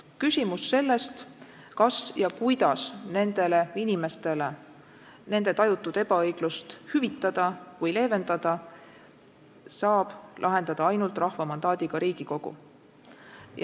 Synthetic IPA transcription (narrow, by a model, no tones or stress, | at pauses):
kysʲimusːe̞lːe̞st̪ | kɑsjɑkujd̪̥ɑsne̞nd̪̥e̞le̞inime̞st̪e̞le | ne̞nd̪e̞t̪ɑjut̪ːˑud̪̥e̞b̥ɑɤjɡ̥lust̪hyvit̪ˑːɑd̪̥ɑvɯjle̞ːve̞nd̪̥ɑd̪̥ɑ | sɑːb̥lʔɑɦe̞nd̪̥ɑd̪̥ɑɑjnult̪ˑrʔɑhvɑmɑnd̪ɑːd̪̥iɡ̥ɑɾiːɡ̥iko̞ɡ̥ṵ | j